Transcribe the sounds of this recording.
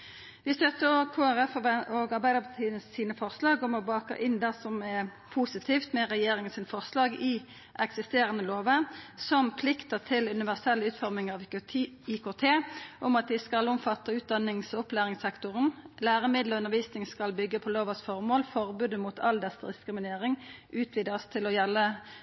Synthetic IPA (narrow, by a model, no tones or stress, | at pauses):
ʋɪst̪œt̪ːəɔkʰoːæʁɛfoːɡɑʁbæɪd̪əpʰɑt̪ʰiːənəsːiːnəfɔʁslɑːɡɔmɔbɑːkə̰ʔɪnd̪æsɔmɛ | pʰusɪt̪ʰiːft̪mɛʁɛjeːɾɪŋənsiːnəfɔʁslɑːɡɪ | ʔɛksɪst̪eːɾənəloːʋəsɔmpʰlɪkt̪ət̪ʰɪlʉnɪʋæʁsɛlːəʉːt̪fɔʁmɪŋɑʋ | iːkʰoːt̪ʰeːʔʊmɑt̪̚d̪ɪskɑlɔmfɑt̪ːəʉːt̪̚d̪ɑnɪŋsʊplæːʁɪŋsɛkt̪ʊʁənlæːʁəmɪd̪ləʉnəʁʋiːsnɪŋskɑlbʏɡːəpʰɔloːʋəsfɔʁmoːlfɔʁbʉːd̪əmut̪ʰɑld̪ɛsd̪ɪskɾɪmɪneːʁɪŋʔʉːt̪ʰʋiːd̪st̪ʰɪlɔjɛlːə